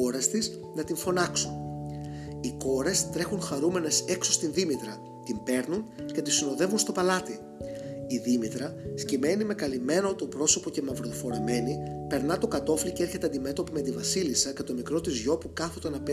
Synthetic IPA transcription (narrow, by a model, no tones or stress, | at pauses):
o̞ɾest̪is | nɐt̪iɱfo̞nɐksun | iko̞ɾe̞st̪ɾe̞xuŋxɐɾume̞ne̞se̞ksost̪inðimit̪ɾɐ | t̪imbe̞ɾnunce̞t̪isino̞ðe̞vunst̪o̞pɐlɐt̪i | iðimit̪ɾɐscime̞nime̞kɐlime̞not̪opɾo̞so̞po̞ce̞mɐvɾoðifo̞ɾɐme̞nipe̞ɾnɐt̪o̞kɐt̪o̞fliceeɾçe̞t̪eɐnd̪ime̞t̪o̞pime̞t̪ivɐsilisɐce̞t̪o̞mikɾo̞t̪izʝo̞pukɐθo̞t̪onɐp